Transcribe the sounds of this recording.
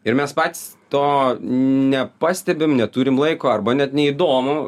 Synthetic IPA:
ɪɾmʲɛspɑːt̪ʲi̥st̪oː | nʲɛpɑːsʲt̪ʲɛbʲɪmnʲɛt̪uːɾʲɪmlˠɐɪkoːɐrbɐnʲɛt̪nʲɛiːd̪oːmʊ

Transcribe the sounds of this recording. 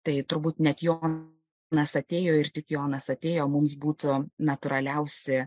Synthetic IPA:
t̪ɐɪt̪ʊɾbuːt̪nʲɛt̪jo | nɐsɐt̪ʲeːjoːɪɾt̪ʲɪkjoːnɐsɐt̪ʲeːjoːmʊms̬buːt̪ʊnɐt̪ʊɾɐlʲɛʊsʲɪ

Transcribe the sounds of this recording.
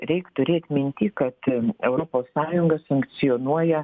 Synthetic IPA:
ɾʲɛɪkt̪ʊɾʲeːt̪ʲmʲɪnʲt̪ʲikɐt̪ɛʊɾopoːsːɑːjʊŋɡɐsɐŋk̪sʲɪoːnuɔjɛ

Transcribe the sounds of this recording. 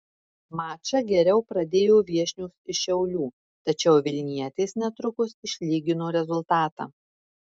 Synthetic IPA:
mɑːt͡ʃɐɡʲɛɾʲɛʊpɾɐd̪ʲeːjoːʋʲiɛʃʲnʲuːsɪʃʲɛʊlʲuː | t̪ɐt͡ʃʲɛʊʋʲɪlʲnʲiɛt̪ʲeːsnʲɛt̪ɾʊkʊsɪʃʲlʲiːɡʲɪnoːɾʲɛzʊlˠt̪ɑːt̪ɑ̰ː

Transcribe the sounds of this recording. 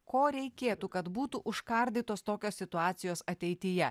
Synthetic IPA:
koːɾʲɛɪkʲeːt̪ukɐt̪buːt̪uʔʊʃkɐɾʲd̪ʲiːt̪oːst̪oːkʲoːsʲɪt̪ʊɑːt̪sʲɪjoːsɐt̪ʲɛɪt̪ʲɪjɛ

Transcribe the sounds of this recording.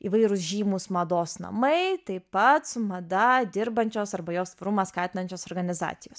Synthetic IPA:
ḭʋɐɪɾʊsʒʲiːmʊsmɐd̪oːsnɐ̰mɐɪt̪ɐɪpɐt̪sʊmɐd̪ɐd̪ʲɪɾbɐnʲt͡ʃʲoːsɐɾbɐjoːst̪ʋɐɾumɐːskɑːt̪ʲɪnɐnʲt͡ʃʲoːsoːɾɡɐnʲɪzɑ̰ːt̪sʲɪjoːs

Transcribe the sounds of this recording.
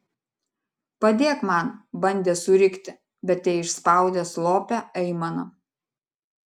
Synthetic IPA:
pɐd̪ʲeːɛkmɑˑnbɐnʲd̪ʲeːsʊɾʲɪkt̪ʲɪ | bʲɛt̪ʲɛɪʃspɑˑʊd̪ʲeːslˠoːpʲɛɛɪmɐnɐ

